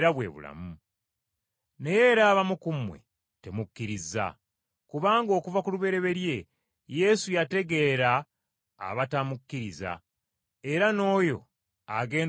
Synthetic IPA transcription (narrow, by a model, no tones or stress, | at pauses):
ɾaβwe̞̰ːβṵla̰mu | ne̞je̞ɾaːβamukumwe̞̰ | te̞mukːiɾiza̰ | kuβaːŋɡo̞ːkuvakuluβe̞ɾe̞βe̞ɾje̞ | je̞sujate̞ɡe̞ɾa̰ː | βatamukːiɾiza̰ | e̞ɾano̞ːjo̞̰ | aɡe̞ː